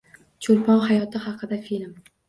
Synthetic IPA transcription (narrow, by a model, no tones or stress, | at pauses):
t͡ʃʰolpʰɒnhajɒt̪ʰɪhɑqʰɨd̪afilm